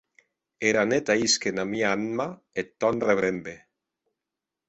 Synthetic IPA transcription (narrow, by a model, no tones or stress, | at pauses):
eɾanet̪aiskenamiaanma | et̪ːɔnreβɾembe